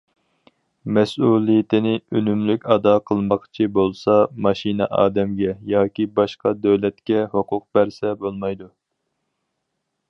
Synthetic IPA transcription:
mɛsulˠijɪt̪ʰɪnɪønymlykʲɑd̪ɑqʰəlˠmɑqʰt͡ʃʰibolˠsɑmɑʃinɛ̰ʔɑ̰ːd̪ɛmɡʲɛjɑːkʲibɑʃqɑd̪ɛwlɛt̪kʲɛhoqʰʊq̚bæɾsɛbolˠmɑjd̪u

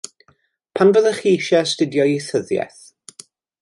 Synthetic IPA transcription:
pʰanvəðəχiːʃɛstɪdjɔjiθəðjɛ̰θ

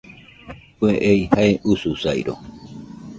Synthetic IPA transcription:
kʷeʔejhaeʔususajɾo̰

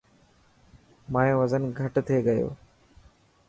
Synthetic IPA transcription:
mãːẽːʋəzənɡʱəʈt̪ʰeːɡəjo̰ː

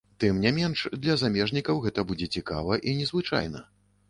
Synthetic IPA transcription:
t̪ɨmnʲamʲɛnʂd̪lʲɐzamʲɛʐnʲikɐwɣɛt̪ɐbud͡zʲɛt͡sʲika̰vɐʔinʲɛzvɨt͡ʂa̰jnɐ̰

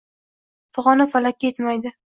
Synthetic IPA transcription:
fʊʁɒnafalakʲet̪majd̪ɪ

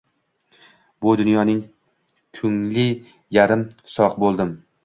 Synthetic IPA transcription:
bʊd̪ʊnjɒnɪŋ | kʰʊŋlɪ | jaɾɪmsɒqbolˠd̪ɪm

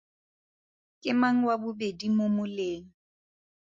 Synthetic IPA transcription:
kʼɪmaŋ̩wabʊbedimʊmʊleːŋ̩

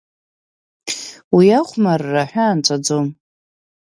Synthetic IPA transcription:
wiaχʷmarːaħʷᶣaːnt͡sʷʼad͡zom

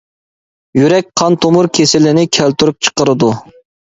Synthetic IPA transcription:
jyɾɛk̚ʲqʰɑnt̪ʰomuɾkʲʰesɪlɪnɪkʲʰælt̪yɾyp̚t͡ʃʰə̥qəɾɨd̪u

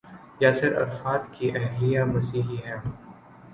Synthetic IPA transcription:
jaːsɪɾɐ̰ɾfaːd̪kiʔɛɦlijamɐsiːɦiɦɛ̃ː

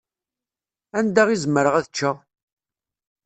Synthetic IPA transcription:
ænd̪æʁizmːəɾəʁæðət͡ʃːa

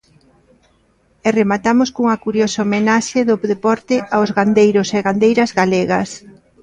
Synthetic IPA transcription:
ɛremat̪amʊskuŋɐkuɾjosoːmenaʃeðoðepɔɾt̪ɪʔaozɣand̪ejɾʊseɣand̪ejɾɐzɣaleɣɐs

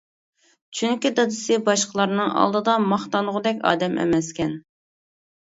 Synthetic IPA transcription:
t͡ʃʰyŋkʲid̪ɑd̪ɨsɨbɑʃqəlˠɑɾnɨŋʔɑ̰lˠd̪ɨd̪ɑmɑχt̪ɑnʁʊd̪ɛkʲɑ̰ːd̪ɛmʔḛmɛskʲɛn

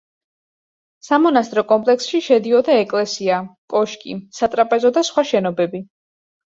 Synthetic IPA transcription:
samɔnast̪ʼɾɔkʼɔmpʼlɛksʃiʃɛd̪iɔd̪aɛkʼlɛsiakʼɔʃkʼḭsat̪ʼɾapʼɛzɔd̪asχwaʃɛnɔbɛbi

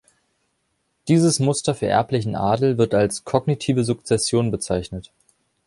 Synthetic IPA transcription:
d̥iːzəsmʊstɐfyːɐʔɛ̰ɐplɪçn̩ʔa̰ːdl̩vɪɐtalskʰɔɡnitʰiːvəzʊkt͡sɛsjoːnbət͡saɪçnət

